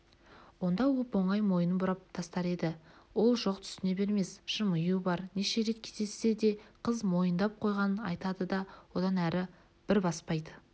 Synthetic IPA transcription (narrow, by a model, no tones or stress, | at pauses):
wo̞nd̪ɑwʊpo̞ɴɑjmo̞jənəbʊɾɑp̚t̪ʰɑst̪ɑɾe̞d̪ɪwo̞lˠʒo̞qt̪ʰʏ̥st̪ɪne̞be̞ɾme̞sʃəmʊjubɑɾneʃe̞ɾe̞t̪kʲʰe̞zd̪esːe̞d̪e̞qʰəzmo̞jənd̪ɑp̚qʰo̞jʁɑnənɑ̰jt̪ɑd̪əd̪ɑwo̞d̪ɑnæɾɪ | b̥ɪɾbɑspɑjd̪ə